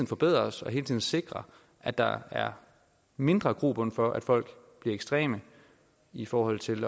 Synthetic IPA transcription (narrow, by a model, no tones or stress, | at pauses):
ið̰ˠn̩fɒ̽b̥e̝ð̰ˠʁɐsɒ̽ɦe̝ːlt͡sʰiðˠn̩se̝ɡ̥ʁɐ | ʔæd̥ɑ̈æɐ | me̝nd̥ʁɐɡ̥ʁub̥ənfɒ̽ʔæd̥fɒ̽l̰ɡ̥ | b̥liɐeɡ̥sd̥ʁɛ̰ːmə | ifɒːhɒ̽l̰t͡sʰe̝l